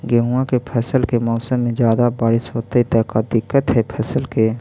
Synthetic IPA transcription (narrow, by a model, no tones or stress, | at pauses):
ɡɛːɦuakepʰɛːsəlkemɔːsəmːẽd͡ʒjaːd̪abaːɾɪsɦoːt̪eit̪ɛːkad̪ɪkːət̪ɦɛpʰɛːsəlke